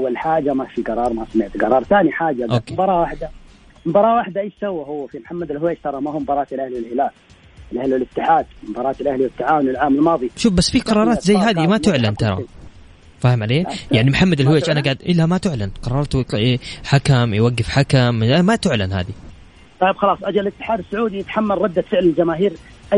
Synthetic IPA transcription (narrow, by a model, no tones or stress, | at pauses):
ʔawːalħaːd͡ʒamafiɡɑɾˤɑːɾˤmasamɪʕt̪ɡɑɾˤɑːɾˤθaːniħaːd͡ʒaʔokeːbɑɾˤɑːʔwaħd̪a | mbɑɾˤɑːʔwaħd̪aʔeːʃsawːaɦʊwːfimħamːad̪ɪlhʊweːd͡ʒt̪ɑɾˤɑmahumbɑɾˤɑːt̪ɪlʔahlwɪlhɪlaːl | ɪlʔahlwɪlɪt̪ːɪħaːd̪̚mbɑɾˤɑːt̪ɪlʔahliwɪt̪ːaʕaːwʊnwɪlʕaːmɪlmɑːðˤiʃuːfbasːfiqɑɾˤɑːɾˤɑːt̪zajːɦaːðimat̪ʊʕlant̪ɑɾˤɑ̰ | faːhɪmʕaleːjaʕnimħamːad̪ɪlhweːt͡ʃʔanaɡaʕd̪ʔɪlːamat̪ʊʕlanqɑɾˤɑːɾˤt̪eħakamjwaɡːɪfħakamʔamat̪ʊʕlanha̰ːd̪i | t̪ˤɑjbxɑlɑːsˤʔad͡ʒalɪt̪ːɪ̥ħaːd̪ɪsːʊʕuːd̪ijɪt̪ḁħamːalɾˤɑd̪ːat̪fɪʕlɪld͡ʒamaːɦiːɾ | ʔa